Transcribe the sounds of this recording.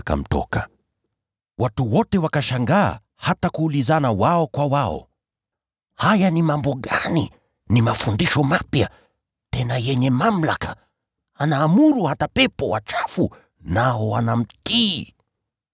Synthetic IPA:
ka̰m̩tɔ̰ka | watuwɔtɛwakaʃaŋɡa̰ː | hatakuːlizanawaɔkwawaɔ̰ | hajanimambɔɠani | nimafundiʃɔmapja | tɛnajɛɲɛmam̩laka | anaːmuɾuhatapɛpɔwa̰t͡ʃafu | naɔwanam̩ti

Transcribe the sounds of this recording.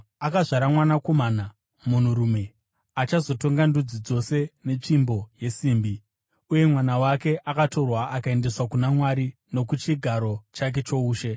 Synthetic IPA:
akaʐaɾamwanako̞mana | mun̤uɾume̞ | at͡ʃazo̞to̞ŋɡandud͡zid͡zo̞se̞ne̞t͡ʂimbo̞je̞siːmbi | uje̞mwanawake̞ʔakato̞rwaʔakae̞nde̞swakunamwaɾi | no̞kut͡ʃiɡʱaɾo̞t͡ʃak̬e̞t͡ʃo̞uːʃe̞

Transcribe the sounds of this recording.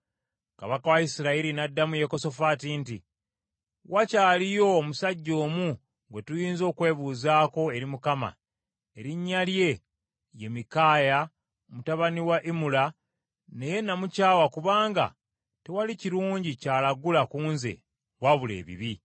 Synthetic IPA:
kaβakawaisiɾaiɾinadːamuje̞ko̞so̞fatinti | wacaːlijo̞ːmusaɟːo̞ːmu | ŋɡwe̞tujiːnzo̞ːkwe̞ːβuːzaːko̞e̞ɾimukama̰ | e̞ɾiɲːalje̞ | je̞mikaːja | omutaβaniwaʔimula | ne̞je̞namucaːwakuβaːŋɡa̰ | tewaliciɾuːɲɟicaːlaɡulakuːnze̞̰ | waβule̞̰ːβḭβi

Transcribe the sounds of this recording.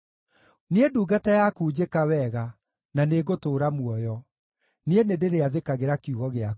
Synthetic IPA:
needuːɡatajakuːd͡ʑekawɛɣa | naneɣotoːɾamwɔjɔ | neenedeɾeaðekaɣeɾakuɣɔɣea

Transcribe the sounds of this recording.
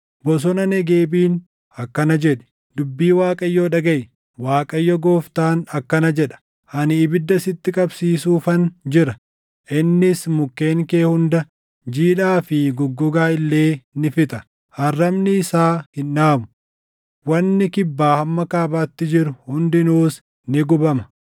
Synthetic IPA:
bɔs̬ɔnɐnɛɡe̞ːbiːn | ɐkːɐnɐd͡ʒɛᶑɛ̥ | d̪ʊbːiːwaːkʼɐjːoːᶑɐɡɐj | waːkʼɐjːɔɡoːft̪aːnɐkːɐnɐd͡ʒɛᶑɐ̥ | ʔɐnːbɪd̪ːɐsɪt̪ːɪkʼɐbsiːsuːfɐnd͡ʒɪɾɐ | ʔɪnːɪsmʊkːe̞ːŋke̞ːhʊnd̪ɐ | d͡ʒiːᶑaːfɪɡʊɡːʊɡaːɪlːe̞ːnɪfɪt̪ɐ | hɐrːɐmnɪːsaːhɪnːaːmʊ̥ | wɐnːɪkɪbːaːhɐmːɐkaːbaːt̪ːɪd͡ʒɪɾʊhʊnd̪ɪnuːs | nɪɡʊbɐmɐ̥

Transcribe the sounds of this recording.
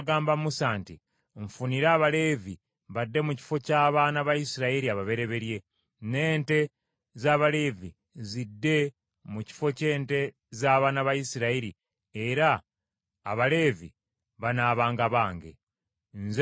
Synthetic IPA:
ɡaːmbamusaːnti | ɱfuniɾaːβale̞ːvi | βadːe̞muci̥fo̞caːβaːnaβajisiɾaiɾiaβaβe̞ɾe̞βe̞ɾje̞ | ne̞ːnte̞ | zaːβale̞ːvi | zidːe̞ | muci̥fo̞ce̞ːnte̞ | zaːβaːnaβajisiɾaiɾi | eɾa̰ː | βale̞ːvḭ | βanaːβaːŋɡaβaːŋɡḛ | nz

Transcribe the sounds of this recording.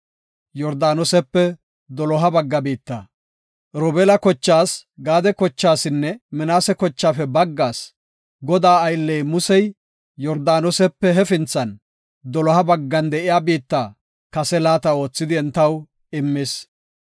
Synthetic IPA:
jɔɾd̪aːnɔsɛpːɛ | d̪ɔlɔɦɐbɐɡːɐbiːt̪ːa | ɾɔːbɛlɐkɔt͡ʃːaːsɡaːd̪ɛkɔt͡ʃːaːsɪnːɛmɪnaːsɛkɔt͡ʃːaːfɛbɐɡːaːs | ɡɔd̪aːɐjlːɛjmʊsɛj | jɔɾd̪aːnɔsɛpːɛɦɛfɪnt͡sːɐn | d̪ɔlɔhɐbɐɡːɐnd̪ɛʔɪjaːbiːt̪ːaː | kɐsɛlaːt̪ɐo̞ːt͡sːɪd̪ɪɛnt̪ɐw | ɪmːeːs

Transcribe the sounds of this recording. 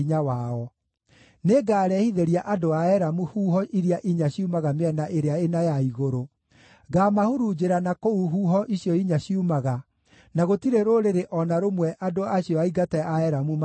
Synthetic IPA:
ɲawaɔ | neɡaːɾɛhiðeɾiaʔadoaɛɾamuhuːɦɔʔiɾiaʔiɲaɕiumaɣameɛnaʔeɾeaenajaiɣoɾo | ɡaːmahuɾud͡ʑeɾanakouɦuːɦɔʔiɕjɔiɲaɕiumaɣa | naɣotiɾeɾoɾeɾeʔɔnaɾomwɛʔadoaɕiɔaiɡatɛaɛɾamum

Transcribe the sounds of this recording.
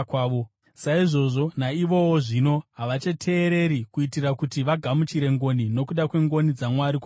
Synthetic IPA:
kaːʋo | saiʐo̞ʐo̞naiʋo̞woʐino̞ɦaʋat͡ʃetʰe̞ːɾe̞ɾikuitirakutiʋaɡʱamut͡ʃiɾe̞ŋɡo̞nino̞kuɗakwe̞ŋɡo̞nid͡zamwaɾikwa

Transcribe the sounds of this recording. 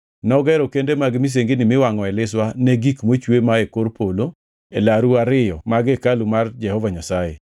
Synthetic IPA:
nɔɡɛɾɔkendemaɡɪmis̬eŋɡenɪmɪwaŋɔɛlɪswaneɡikmot͡ʃwemaekoɾpolo | elaɾuaɾɪjɔmaɡɛkalumard͡ʒɛhɔvaɲasajḛ

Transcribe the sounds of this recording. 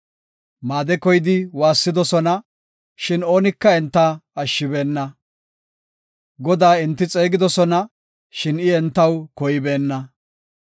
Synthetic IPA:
maːd̪ɛkɔjɪd̪ɪwaːsːɪd̪ɔsɔnɐ | ʃɪno̞ːnɪkːɐɛnt̪ːɐɐʃːɪbe̞ːnːɐ | ɡɔd̪aːɪnt̪ːɪt͡sʼe̞ːɡɪd̪ɔsɔnɐ | ʃɪnɪɛnt̪ːɐwkɔjɪbe̞ːnːɐ

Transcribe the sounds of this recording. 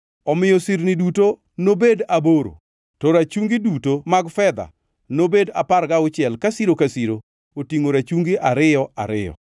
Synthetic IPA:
ɔmɪjɔsiɾniduto | nobedaboɾo̰ | toɾat͡ʃuŋɡidutomaɡfɛd̪a̰ | nobedaparɡaʊt͡ʃɪɛlkasiɾokasiɾo | otiŋoɾat͡ʃuŋɡiʔaɾɪjɔa̰ɾɪ̰jɔ̰

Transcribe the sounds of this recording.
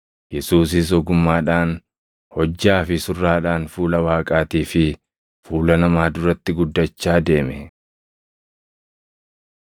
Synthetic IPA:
jɛsuːs̬ɪs̬ɔɡʊmːaːᶑaːn | hɔd͡ʒːaːfɪsʊrːaːᶑaːnfuːlɐwaːkʼaːt̪iːfɪ | fuːlɐnɐmaːd̪ʊɾɐt̪ːɪɡʊd̪ːɐt͡ʃːaːd̪e̞ːmɛ

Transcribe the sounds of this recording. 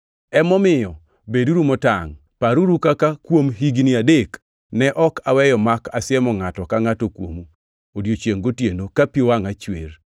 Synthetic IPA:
ɛmɔmɪjɔ | beduɾumɔtaŋ | paɾuɾukakakwomɦiɡniadek | nɛʔɔkawɛjɔmakasɪɛmɔŋatɔkaŋatokwo̰mu | odjot͡ʃjeŋɡotjenokapiowaŋat͡ʃwer

